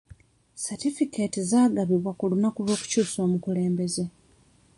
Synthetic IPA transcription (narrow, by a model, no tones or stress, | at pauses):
satifikeːtizaːɡaβiβwakulunakulo̞ːku̥cuːso̞ːmukule̞ːmbe̞ze̞